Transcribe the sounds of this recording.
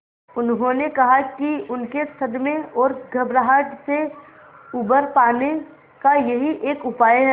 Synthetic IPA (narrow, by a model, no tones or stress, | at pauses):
ʊnɦõnekɐɦakiʊnkesɐd̪mẽɔːɾɡʱɐbɾaɦaʈse | uːbəɾpaːne | kajɐɦiʔeːkʊpaːeɦɛ